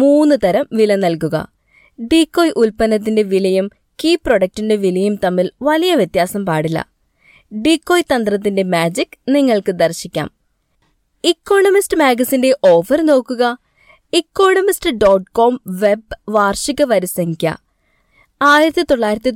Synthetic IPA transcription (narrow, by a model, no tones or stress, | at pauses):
muːnːɨt̪ɐɾɐmʋilɐnɐlkuɣɐ̰ | ɖikːo̞ːjʔulpɐnɐt̪̬ːinde̞ʋilɐjum | kiːpro̞ɽɐk̚ʈinde̞ʋilɐjumt̪ɐmːilʋɐlijɐʋjet̪jaːsɐmpaːɽilːɐ̰ | ɖikːo̞ːjt̪ɐnd̪rɐt̪̬ːinde̞maːd͡ʑikːniŋːɐɭkɨd̪ɐrɕikʲːa̰ːm | ikːo̞ːɳɐmistɨmaːɡɐsinde̞ʔo̞ːʋɐrno̞ːkːuɣɐ | ikːo̞ːɳɐmistɨɖo̞ːʈko̞ːmʋe̞bʋaːrʂikːɐʋɐɾisɐŋikʲːɐ̰ | aːjiɾɐt̪ːit̪o̞ɭːaːjiɾɐt̪̬ːi